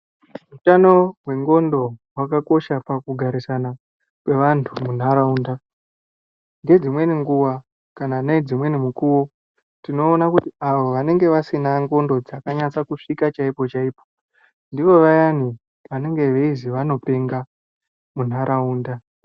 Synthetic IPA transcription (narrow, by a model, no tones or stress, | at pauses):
rutano̞ɦwe̞ŋɡo̞ndo̞wakako̞ʃapakuɡʱaɾisana | kwe̞ʋantʰumun̤aɾauːnda | ŋɡe̞d͡zimwe̞niŋɡuwa | kanaːnad͡zimwe̞nimukuwo̞ | tino̞ːnakutiaʋo̞ʋane̞ŋɡe̞ʋasinaŋɡo̞ndo̞d͡zakaɲat͡sakuʂikat͡ʃaipo̞t͡ʃaiːpo̥ | ndiʋo̞ʋajani | ʋane̞ŋɡe̞ʋe̞iziʋano̞pe̞ŋɡa | mun̤aɾʔauːnda